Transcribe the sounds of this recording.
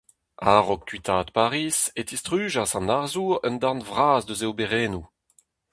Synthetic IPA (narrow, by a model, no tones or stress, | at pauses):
aʁɔk̚tɥit̪ʰaːt̪paʁiːset̪ist̪ʁyːʒasɑ̃naʁzuːʁœ̰nd̪ãnvʁaːzd̪øzeowbeʁɛːnu